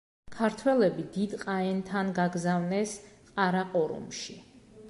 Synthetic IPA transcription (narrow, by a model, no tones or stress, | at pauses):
kʰaɾt̪ʰwɛlɛbid̪id̪qʼaɛnt̪ʰanɡaɡzavnɛsqʼaɾaqʼɔɾṵmʃi